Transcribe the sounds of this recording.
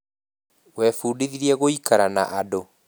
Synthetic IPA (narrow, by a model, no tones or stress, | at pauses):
wɛfuːdiðiɾiɛɣoikaɾana̰ʔado